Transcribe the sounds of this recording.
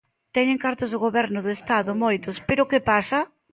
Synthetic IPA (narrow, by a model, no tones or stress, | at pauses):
t̪ɛɲeŋkaɾt̪ʊzðʊɣoβɛɾnʊðʊest̪aðʊmojt̪ʊspeɾʊkepasɐ